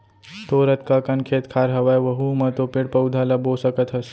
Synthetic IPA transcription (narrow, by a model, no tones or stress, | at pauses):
t̪oːɾət̪kakɐnkʰeːt̪kʰaːɾɦɐʋajʋəɦumɐt̪opɪɽpəwd̪ʱalɐbosəkət̪ɦəs